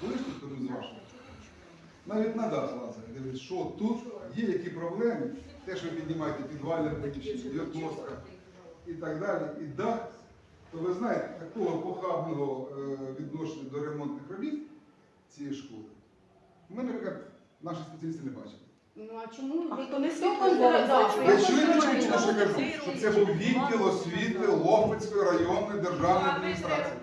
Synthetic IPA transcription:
kɔlˠɪʃnʲisʲt̪ɐnuzʋɑʒt̪ɐ | nɑʋʲitʲnɐd̪ɑt̪ʋɑzɐɐd̪ɪʋɪʃt͡ʃɔt̪ːut̪jɛjɐkʲipɾɔblˠɛmɪt̪ɛʃɔʋɪpʲid̪ʲnʲɪmɑjet̪epʲid̪ʋɑlʲnʲɐmpɔlʲit͡ʃʲid̪ʲɔk̪nɔskɐ | it̪ɐɡd̪ɑlʲiid̪ɑ | t̪ɔʋɪznɑjet̪ejɐkɔɦɔkɔkɑmɪɦɔʋʲid̪nɔʃenʲɐd̪ɔɾemɔnt̪nɪxrɔbʲit̪ | t͡sʲijɛjʃkɔlˠɪ | mɪnɛɾʲikat̪ | nɑʃispet͡sʲɐlʲist̪ɪnɛbɑ̰t͡ʃɪ̥t̪ | nt͡ʃɔmun | mɛt͡ʃɔʋinɐkʲt͡ʃmɔʃkɐʒuʃɔt̪sɛbuwʋʲinʲd̪ʲɪlˠɔsʲʋʲit̪ɪlˠɔpɐt͡sʲkɔjɾɐjɔnːɔjd̪erʒɑwnɔjɐd̪̚mʲinʲist̪ɾɑt͡sʲiji

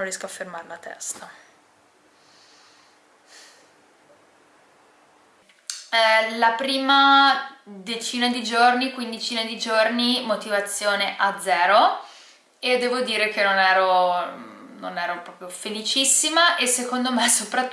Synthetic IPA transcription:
nrjɛskoafːermaɾelat̪ɛ̰st̪a | lapɾiːma | d̪et͡ʃiːnad̪id͡ʒornikwind̪it͡ʃiːnad̪id͡ʒornimot̪ivat̪sːjoːneʔad̪zːɛːɾo | ed̪ɛːvod̪iːɾekenːonɛːɾo | nonɛːɾopɾɔːpɾjofelit͡ʃisːimaʔesekond̪omesopɾa

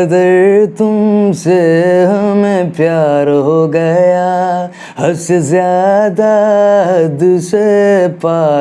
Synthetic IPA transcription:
ɐd̪ɐɾt̪ʊmseɦɐmẽpjaːɾɦoɡɐja | hɐsezjaːd̪aɦɐd̪sepaː

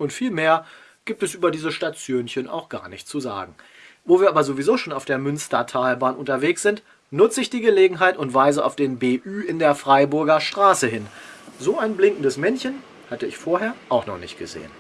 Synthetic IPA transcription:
ʔʊntfiːlmeːɐ | ɡ̥iːp̚tɛsʔyːbɐdiːzəʃtat͡sjoːnçənʔa̰ʊxɡ̥a̰ːɐnɪçtt͡suza̰ːɡŋ̩ | voːviːɐaːbɐzovizoːʃoːnaʊfd̥eːɐmʏnstɐtʰaːlbaːnʔʊntɐveːksz̥ɪnt | nʊt͡səɪçd̥iːɡəleːɡŋ̩ɦaɪtʊntv̥aɪzəʔa̰ʊfd̥eːnbeːʔyːɪndeːɐfʁ̥aɪbʊɐɡɐʃtʁ̥aːsəɦɪnzoːaɪnblɪŋkn̩dəsmɛnçən | hatəɪçfoːɐɦeːɐʔaʊxnɔχnɪ̰çt̚ɡ̥əzḛːə̰n

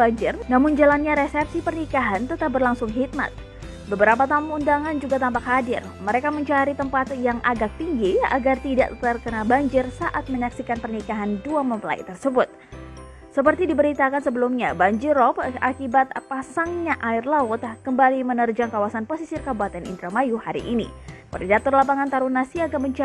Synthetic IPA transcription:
aɲd͡ʒɪrnamʊnd͡ʒalanɲaɾesɛpsipərnikaɦant̪ət̪apbərlaŋsʊŋɦit̪̚ma̰t̪̚ | bəbəɾapat̪ampundaŋand͡ʒuɡat̪ampakɦadɪr | məɾekaməɲt͡ʃaɾit̪əmpat̪jaŋʔaɡak̚t̪iŋɡia̰ɡart̪ida̰ʔt̪ərkənabaɲd͡ʒɪrsaʔat̪̚məɲaksikanpərnikaɦanduaməmpəla̰ḭt̪ərsəbʊt̪̚ | səpərt̪idibəɾit̪akansəbəlumɲabaɲd͡ʒirɔp̚akibat̪̚pasaŋɲaʔaɪrlaʊt̪kəmbalimənərd͡ʒaŋkawasanposisirkabuat̪ɛnḭnt̪ɾamajuhaɾḭʔːnḭpridat̪ʊrlapaŋant̪aɾunasiaɡaməɲt͡ʃa

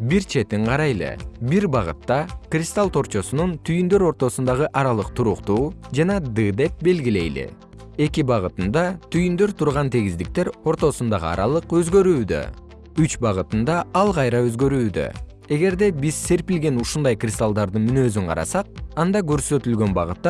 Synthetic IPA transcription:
biɾt͡ʃʰe̞t̪iɴqʰɑɾɑjlˠɯ̰biɾbɑʁɯ̰t̪ːɑkrʲist̪alˠt̪ʰo̞ɾt͡ʃo̞sununt̪ʰyjynd̪ø̞ɾo̞ɾt̪o̞sund̪ɑʁɯʔɑɾɑlˠɯq̚t̪ʰuɾuqt̪uːd͡ʒɑnɑd̪ɯd̪e̞p̚be̞lɡile̞jlḭ | e̞kibɑʁɯt̪ɯnd̪ɑt̪ʰyjynd̪ø̞ɾt̪ʰuɾʁɑnt̪ʰeɡizd̪ik̚t̪e̞ɾo̞ɾt̪o̞sund̪ɑʁɯɑ̰ɾɑ̰lˠɯqø̞zɡø̞ɾyːd̪ø̰ | yt͡ʃbɑʁɯt̪ɯnd̪ɑɑlˠqʰɑjɾɑø̞zɡø̞ɾyːd̪ø̰ | e̞ɡe̞ɾd̪e̞bizse̞ɾpilɡe̞nuʃund̪ɑjkrʲist̪alˠd̪ɑɾd̪ɯnmynø̞ːzyɴqʰɑ̰ɾɑ̰sɑq̚ɑnd̪ɑɡø̞ɾsø̞t̪ylɡø̞nbɑ̰ʁɯt̪ːɑ

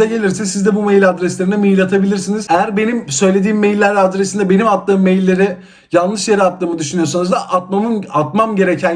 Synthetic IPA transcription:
ɛɟe̞lʲiɾsɛsizd̪ɛbumejlʲad̪ɾɛslʲe̞ɾinɛmijlʲat̪ʰabilʲiɾsinizejæɾbe̞nimsø̞jlʲe̞d̪iːmːejlʲːæɾad̪ɾɛsind̪ɛbe̞nimat̪ːɯːmːe̞jlʲːe̞ɾi | jalˠlˠɯʃjeɾiat̪ːɯːmɯd̪yʃynyjo̞sanuzd̪aʔat̪̚mamɯnat̪mamɟe̞ɾecʰæn

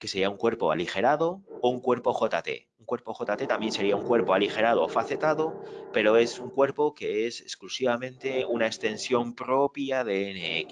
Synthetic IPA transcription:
ke̞seɾiauŋkwe̞ɾpo̞a̰lixe̞ɾaðo̞ouŋkwe̞ɾpo̞xo̞t̪at̪e̞̰uŋkwe̞ɾpo̞xo̞t̪at̪et̪ambje̞nse̞ɾiauŋkwe̞ɾpo̞alixe̞ɾað̞oːfaθe̞t̪aðo̞pe̞ɾo̞e̞suŋkwe̞ɾpo̞ke̞ese̞sklusiβamẽ̞nt̪e̞unaekst̪e̞nsjo̞mpɾo̞pjaðe̞eneeki

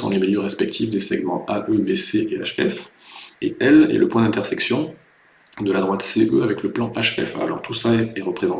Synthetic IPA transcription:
ɑ̰̃lemiljøʁɛspɛk̚t̪ʰifd̪esɛɡmɑ̰̃ʔaʔøbeseʔea̰ʃɛfḛɛlɛ̰ləpwɛ̃d̪ɛ̃t̪ɛʁsɛksjɔ̃ | d̪əlad̪ʁwat̪seøavɛkləplɑ̃ʔaʃɛ̰fa̰lɔ̰ʁt̪ʰusaɛʁəpχezɑ̃

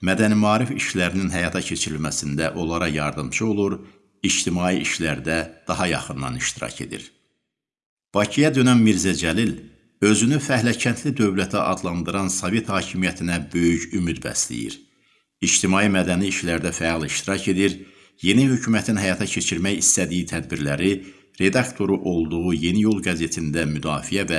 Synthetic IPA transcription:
mæd̪ænimɑːɾifiʃlæɾininɦæjɑt̪ʰɑcʰe̞t͡ʃʰiɾilmæsind̪æʔo̞lˠɑɾɑjɑɾd̪ɯmt͡ʃʰɯo̞lˠuɾ | id͡ʒt̪ʰimɑːiʔiʃlæɾd̪æd̪̥ɑɦɑjɑ̰χɯnːɑ̰niʃt̪iɾɑ̰cʰe̞̰d̪ḭɾ | b̥ɑcʰijɑd̪ø̞nænmiɾzæd͡ʒælil | ø̞zynyfæhlæcʰænt̪ʰlid̪ø̞vlæt̪ʰæʔɑ̰d̪lˠɑnd̪ɯɾɑnsɑve̞t̪hɑːcʰimijæt̪ʰinæbø̞jyçymyd̪bæ̰slḭjḭɾ | it͡ʃt̪ʰimɑːjimæd̪æniːʃlæɾd̪æfæɑlˠiʃt̪iɾɑce̞d̪iɾ | je̞nihøcʰuːmæt̪ʰinɦæjɑt̪ʰɑcʰe̞t͡ʃʰiɾmæjist̪æd̪ijit̪ʰæd̪biɾlæɾi | ɾe̞d̪ɑkt̪ʰo̞ɾuʔo̞lˠd̪uʁuje̞nijo̞lˠɡæze̞t̪ʰind̪æmyd̪ɑːfijævæ

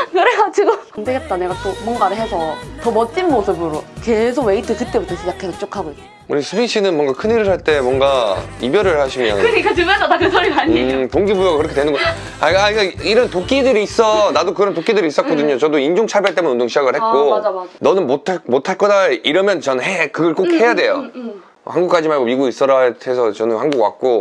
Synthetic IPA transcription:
kɯɾeɡad͡ʑiɡoamndeɡet̚t͈ane̞ɡat͈omwʌŋɡaɾɯɭɦesʰʌtʌmʌt̚t͡ɕ͈inmosʰɯbɯɾoke̞s̬ʰoɡwe̞itʰɯtɯɭ̚t͈ebutʰʌsʰʌjakʰasʰet͡ɕ͈okʰaɡoik̚t͈ | uɾisʰɯpʰinɕʰinɯnmwʌŋɡakʰɯniɾɯɭɦaɭt͈e̞mwʌnɡaibjʌɾɯɭhaɕʰima̰ɲik͈at͡ɕumesʰʌdakɯsʰʌɾikaɲitoŋɡibujʌkɯɾʌkʰedwenɯnɡʌ | aaik͈aiɾʌntok͈̚idɯɾiːs͈ʌnadokɯɾʌntok͈idɯɾiːs͈ʌt̚k͈ʌdɯɲot͡ɕʌdoind͡ʑoŋt͡ɕʰaɭbeaɭt͈emɯnundoŋɕʰid͡ʑaɡɯɭhe̞k͈onʌnɯnmotʰamotʰaɭk͈ʌdaiɾʌmjʌnt͡ɕʌnɯnɦekɯɡʌɭk͈ok̚he̞jade̞jo̰ | haŋɡuk͈ad͡ʑimaɭɡomiɡois͈ʌɾaɭtʰesʰʌt͡ɕʌnɯnhaŋɡukwa̰k̚k͈o

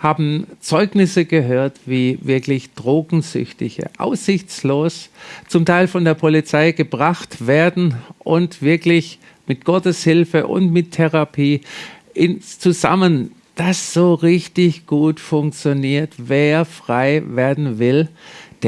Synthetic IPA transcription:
haːbm̩t͡sɔʏɡnɪsəɡəɦøːɐtviːvɪɐklɪçd̥ʁoːɡŋ̩zʏ̰çtɪçə̰ʔa̰ʊsɪçt͡sloːst͡sʊmtʰaɪlfɔndeːɐpʰolit͡saɪɡəbʁaχtv̥eːɐdn̩ʔʊntv̥ɪɐklɪç | mɪt̚ɡ̥ɔtəshɪlfəʔʊ̰ntmɪtʰːɛʁapʰiː | ʔɪnt͡suza̰mən | d̥asz̥oːʁɪçtɪçɡ̥uːtfʊŋk̚t͡sjoniːɐtveːɐfʁ̥aɪveːɐdn̩vɪld̥

